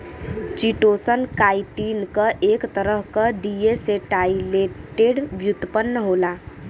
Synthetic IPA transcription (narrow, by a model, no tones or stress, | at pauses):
t͡ʃiʈosənkajʈinkəʔekt̪əɾəɦkəɖieseʈajleʈːeɖbjut̪ːəpənːəɦola